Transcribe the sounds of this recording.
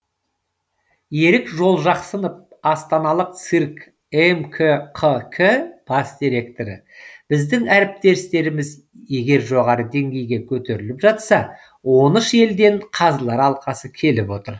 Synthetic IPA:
je̞ɾɪkʒo̞lˠʒɑqsənəp̚ɑst̪ɑnɑlˠəq̚t̪sirk | emkʲʰəqʰəkʲʰəpʰɑsd̪iɾe̞kt̪o̞ɾə | b̥ɪzd̪ɪŋæɾɪp̚t̪e̞ɾɪst̪e̞ɾɪmɪz | je̞ɡʲe̞ɾʒo̞ʁɑɾəd̪e̞ŋɡʲe̞jɡʲe̞kʲʰɵt̪e̞ɾɪlɪpʒɑt̪sɑ | wo̞nəʃe̞ld̪e̞ɴqʰɑzəlˠɑɾɑlˠqɑsəkʲʰe̞lɪpwo̞t̪əɾ

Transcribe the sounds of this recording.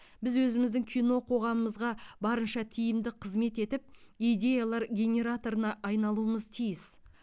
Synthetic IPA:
bɪzwɵzɪmɪzd̪ɪŋkʲʰijno̞qʰo̞ʁɑməməzʁɑbɑɾənʃɑt̪ʰijɪmd̪ɪqʰəzme̞t̪e̞t̪ɪp̚ | ijd̪ʲe̞jalˠɑɾɡʲe̞nʲe̞ɾat̪o̞ɾənɑʔːjnɑlˠuəməzt̪ʰijɪs

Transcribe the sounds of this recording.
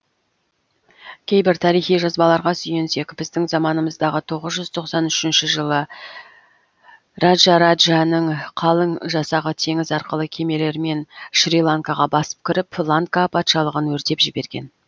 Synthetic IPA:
kʲʰe̞jbɪɾt̪ʰɑɾijχijʒɑzbɑlˠɑɾʁɑsʏjense̞kʲbɪzd̪ɪŋzɑmɑnəməzd̪ɑʁət̪ʰo̞ʁəzʒʏz̥t̪ʰo̞qsɑnʏʃɪnʃɪʒəlˠə | rad̪ʒɑɾad̪ʒanəɴqʰɑlˠəɴʒɑsɑʁət̪ʰe̞ŋɪzɑɾqəlˠəkʲʰe̞me̞le̞ɾme̞nʃɾilˠaŋkɑʁɑbɑsə̥p̚kʲɪɾɪpflˠaŋkapʰɑt̪ʃɑlˠəʁənwɵɾt̪e̞pʒɪbe̞ɾɡʲe̞̰n

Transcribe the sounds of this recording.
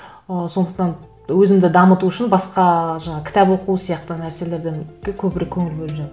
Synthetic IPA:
əso̞nd̪əq̚t̪ɑn | wɵzɪmd̪ɪd̪ɑmət̪uʊʃɪnbɑsqɑʒɑɴɑkʲʰɪ̥t̪æpwo̞quəsijɑq̚t̪ənæɾse̞le̞ɾd̪eŋkʲekʲʰɵbɪɾe̞kʲʰɵŋɪlbelpʒɑt̪ɾ

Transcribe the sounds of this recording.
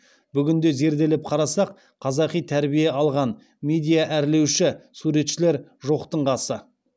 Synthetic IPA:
bʏɡʲɪnd̪e̞ze̞ɾd̪e̞lɪp̚qʰɑɾɑsɑq | qʰɑzɑqijt̪ʰæɾbijeɑlˠʁɑn | me̞d̪ʲijaʔæɾle̞wʃɪsuɾe̞t̪ʃɪle̞ɾʒo̞qt̪əɴʁɑsə

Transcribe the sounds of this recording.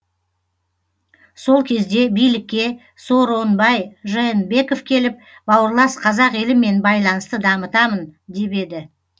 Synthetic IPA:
so̞lˠkʲʰe̞zd̪e̞bijlɪkʲːe̞ | so̞ɾo̞nbɑjʒenbe̞ko̞fkʲʰe̞lɪp̚bɑwəɾlˠɑsqʰɑzɑqelɪme̞nbɑjlˠɑnəst̪əd̪ɑmət̪ɑmənd̪e̞pe̞d̪ɪ

